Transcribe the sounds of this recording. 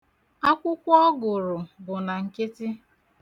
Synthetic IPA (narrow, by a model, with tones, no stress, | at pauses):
a˦kʷʊ˦kʷɔ˦ɡʊ˨ɾʊ˨bʊ˨na˨ŋ̩˨kɪ˦tɪ˦